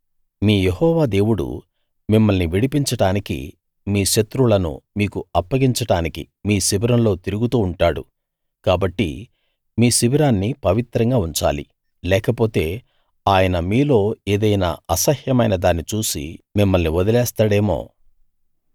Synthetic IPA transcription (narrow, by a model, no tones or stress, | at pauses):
miːjehɔːʋaːd̪e̞ːwuɽṵ | mimːɐlniʋiɽipiɲt͡ʃɐɽaːnikḭ | miːʃɐt̪ɾulɐnṵmiːkuɐpːɐɡiɲt͡ʃɐɽaːnikḭ | miːsiʋiɾɐmlo̞ːt̪iɾuɡut̪uːɳʈaːɽṵ | kaːbɐʈːḭ | miːsiʋiɾaːnːipɐʋit̪ɾɐŋɡaːuɲt͡ʃa̰ːlḭ | lɛːkɐpo̞ːt̪e̞ː | aːjɐnɐmiːlo̞ːeːd̪ɐjna̰ːɐsɐhjɐmɐjnɐd̪aːnːit͡ʃuːsḭmimːɐlniʋɔd̪ɐlɛːst̪aːɽe̞ːmo̞̰ː